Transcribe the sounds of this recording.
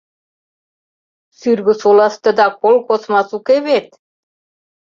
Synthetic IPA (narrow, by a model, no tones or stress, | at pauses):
syrɣɘ̆solɑst̪ɤ̆d̪ɑkolkosmɑsukeβet̪̚